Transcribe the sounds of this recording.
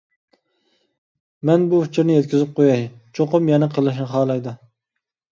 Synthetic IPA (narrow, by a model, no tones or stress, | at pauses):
mɛnbuft͡ʃʰɪɾnɪjɛt̪̚kʲɪzɪp̚qʰojɑjt͡ʃʰoqʊmjɛnɛqʰəlˠɨʃnɨχɑːlˠɑjd̪ɨ